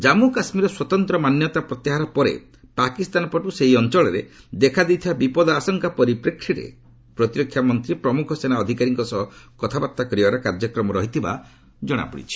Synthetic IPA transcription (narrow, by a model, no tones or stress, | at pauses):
d͡ʒamukasmiɾɔswɔt̪ɔnt̪ɾɔmanjɔt̪apɾɔt̪aɦaɾɔpɔɾḛ | pakist̪anɔpɔʈuseɦiɔnt͡ʃɔɭɔɾed̪ekʰad̪ewt̪ʰibabipɔd̪ɔasɔŋkapɔɾipɾekʰɾiɾḛ | pɾɔt̪iɾɔkʰːjamɔnt̪ɾipɾɔmukʰɔsenaɔd̪ʱikaɾiŋkɔsɔɦɔkɔt̪ʰabat̪ːakɔɾiaɾɔkaɾd͡ʒɔkɾɔmɔɾɔɦit̪ʰiba̰ | d͡ʒɔɽ̃a̰pṵɽḭt͡ʃʰi̥